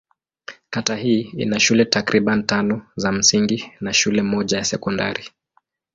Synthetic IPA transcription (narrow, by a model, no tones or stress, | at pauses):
katahiːḭnaʃulɛtakɾiɓantanɔzam̩siŋɡinaʃulɛmɔʄajasɛkɔndaɾi